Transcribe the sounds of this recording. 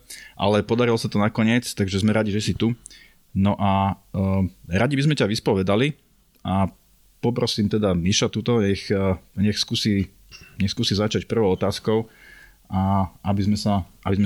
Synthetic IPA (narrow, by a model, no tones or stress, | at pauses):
ʔa̰lɛpɔd̪aɾilɔsat̪ɔnakɔɲɪɛt͡st̪aɡʒɛzmɛɾaɟiʒɛsit̪u | nɔʔa | ɾaɟibizmɛcaʋispɔʋɛd̪ali | ʔa | pɔpɾɔsiːmt̪ɛd̪amiʃat̪ut̪ɔɲɛxɲɛxskuːsi | ɲɛxskuːsizat͡ʃacpr̩ʋɔʊɔt̪aːskɔʊ | aabizmɛsaʔabizmɛ